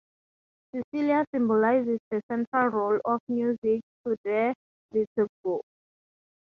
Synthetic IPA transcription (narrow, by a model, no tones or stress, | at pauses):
sisiliasĩmbɔlajzisdəsɛ̃ntʰɹalɹolɔfmjuzik̚tudɛ | letuk̚bok